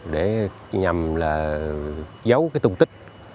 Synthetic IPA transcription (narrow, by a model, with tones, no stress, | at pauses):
ɗe˧˩ | ɲa˨˩mlaː˨˩ | zə˨˦wkaː˨˦jt̪ʊ˨˩˨ŋ͡mt̪ï˦˥k̟̚